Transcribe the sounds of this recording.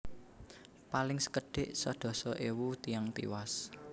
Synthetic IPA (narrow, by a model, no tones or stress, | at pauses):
palɪŋsə̥kəɖ̥eʔsɔɖ̪̥ɔ̤sɔʔewut̪ijaŋt̪ḭwas